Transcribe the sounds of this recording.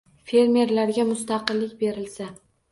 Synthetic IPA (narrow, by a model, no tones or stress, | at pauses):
fe̞ɾme̞ɾlaɾɡʲamʊst̪ɑqɨlːɪk̚ʲbe̞ɾɪlsa